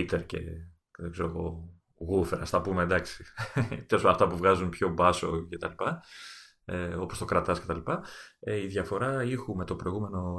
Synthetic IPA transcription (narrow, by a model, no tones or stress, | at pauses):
it̪eɾce̞̰ | ðeɡzeɾoɣo̞ | ɣufeɾɐst̪ɐpumed̪ɐksi̥t̪eosɐft̪ɐpuvɣɐzunpço̞bɐso̞ce̞t̪ɐlipɐ | eo̞po̞st̪okɾɐt̪ɐsce̞t̪ɐlipɐiðʝɐfo̞ɾɐixume̞t̪o̞pɾo̞iɣume̞no̞